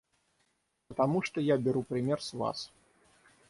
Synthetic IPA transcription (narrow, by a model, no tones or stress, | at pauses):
pɐt̪amuʂt̪ɔjabʲɛɾupɾɨmʲɛrsva̰s